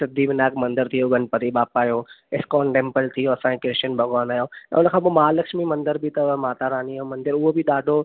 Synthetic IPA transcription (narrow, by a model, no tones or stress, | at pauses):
t̪ɐd̪iːbɪnaːkmɐ̃nd̪əɾt̪ʰijoɡʱɐ̃npɐt̪iɓaːpaːjoːɪskɔːɳʈẽːmpəlt̪ʰijoɐsãẽkɾɪʃənbʱɐɡaːnaːjoɛ̰̃ʊnəkʰãːp̬omaːlɐkʃmimɐ̃nd̪əɾbʱɪt̪ɐmaːt̪aɾaːniaːjomɐ̃nd̪ɪɾʊɦobʱiɗaːɖʱo